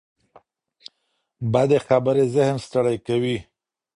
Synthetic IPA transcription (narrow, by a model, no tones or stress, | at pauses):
bad̪exabəɾezɪhnst̪aɽajkawi